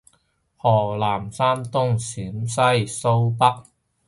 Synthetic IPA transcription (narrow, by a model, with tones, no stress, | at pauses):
hɔː˨˩laː˨˩msaː˥nt̪ʊ˥ŋsyː˨˥msɐ˥jso˥wpɐ˥k̚